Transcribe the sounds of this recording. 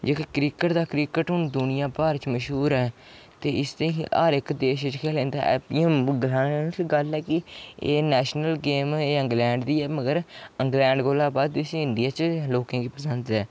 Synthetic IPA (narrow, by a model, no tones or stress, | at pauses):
d͡ʒeːkekɾiːkəʈd̪aːkɾiːkəʈɦʊnd̪ʊnɪjãːpaːɾt͡ʃməʃɦuːɾɛː | t̪eːɪst̪əaːɾɪkd̪eːʃt͡ʃkʰɛːlẽːnd̪a̰ːʔɛ̰ːpimɡəlaːnːsiɡəlɛːkɪḛːnɛːʃnəlɡeːmeːə̃ŋɡlɛ̃ːɳɖd̪iːɛːməɡəɾəŋɡlɛ̃ːɳɖɡoːlaːbaːd̪ɪsɪɳɖijaːt͡ʃloːkãːkiːpəsə̃nd̪ɛː